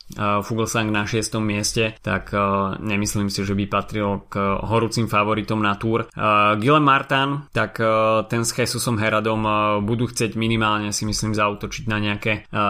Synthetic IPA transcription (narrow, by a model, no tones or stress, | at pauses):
fuɡl̩saŋɡnaʃɪɛst̪ɔmːɪɛscɛt̪a̰kɲɛmisliːmsiʒɛbipat̪ɾilɡɦɔɾuːt͡simfaʋɔɾit̪ɔmnat̪uːɾɡilɛmːaɾt̪ant̪akt̪ɛnsxɛsusɔmɦɛɾad̪ɔmbud̪uːxt͡sɪɛɟminimaːlɲɛsimisliːmzauːt̪ɔt͡ʃiɟnaɲɛakɛ